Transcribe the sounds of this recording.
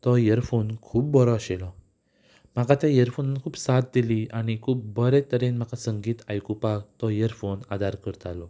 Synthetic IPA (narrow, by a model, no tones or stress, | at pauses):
t̪ɔjəɾfonkʰuːpbɔɾɔaɕelɔ | m̤akat̪jajəɾfonankʰuːbsat̪̚d̪iliaɽ̃ikʰuːp̚bəɾet̪əɾenm̤akasəŋɡiːt̪ajkupakt̪ɔjəɾfonad̪aɾkəɾt̪alɔ